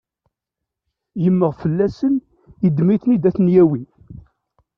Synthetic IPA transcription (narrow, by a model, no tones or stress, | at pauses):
jəmːəʁfəlːæsən | id̪miθnid̪æθnjæwi